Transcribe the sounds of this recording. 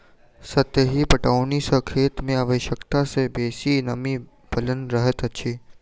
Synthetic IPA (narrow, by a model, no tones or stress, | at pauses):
sət̪jəɦipəʈaunisəkʰeːt̪mẽaʋəʃjəkt̪asebesinəmi | bʱələnɾəɦət̪ət͡ʃʰe